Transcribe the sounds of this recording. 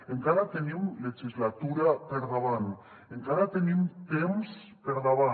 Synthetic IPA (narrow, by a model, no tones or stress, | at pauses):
eŋkaðat̪eniwlexizlat̪uɾapeɾðaβan | eŋkaðat̪eniumt̪ems | peɾðaβa